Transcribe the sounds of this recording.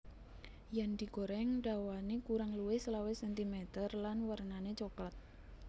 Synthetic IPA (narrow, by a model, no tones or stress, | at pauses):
jand̪̥i̤ɡoɾɛŋɖawanekuɾaŋluwɪhslawesɛnt̪imɛt̪ərlanwərnanet͡ʃoklat̪̚